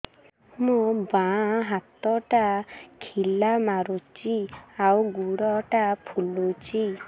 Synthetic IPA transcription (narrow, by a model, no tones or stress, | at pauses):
mubaɦat̪ɔʈakʰilamaɾut͡ʃiawɡuɽɔʈapʰulut͡ʃi